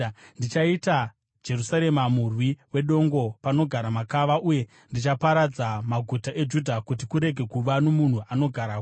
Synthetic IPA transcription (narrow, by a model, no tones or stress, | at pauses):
ndit͡ʃaita | d͡ʒe̞rusaɾe̞mamurwiwe̞ɗo̞ŋɡo̞pano̞ɡʱaɾamakaʋaʔuje̞ | ndit͡ʃapaɾad͡zamaɡʱutaʔe̞d͡ʒudʱakutikuɾe̞ɡʱe̞kuʋanomun̤uʔano̞ɡʱaɾak